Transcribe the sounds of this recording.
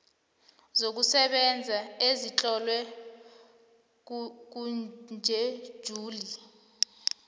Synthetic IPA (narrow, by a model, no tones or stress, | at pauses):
zok̬usɛɓɛnd͡zʱaezit͡ɬʼɔlwɛ | k̬und͡ʒʱɛ̥ʒ̥ʱuːli